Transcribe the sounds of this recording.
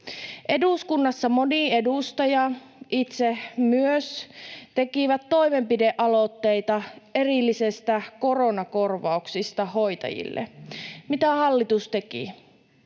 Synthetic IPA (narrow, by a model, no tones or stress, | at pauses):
ʔe̞duskunːɑsːɑmo̞nie̞dust̪ɑjɑ | ʔit̪semyøst̪e̞kiʋæt̪ːo̞ime̞mpideʔɑlot̪ːe̞jt̪ɑe̞rilːisest̪æko̞ronɑko̞rʋɑuksist̪ɑɦo̞jt̪ɑ̰jḭlːḛmit̪æhɑlːit̪ust̪e̞kḭ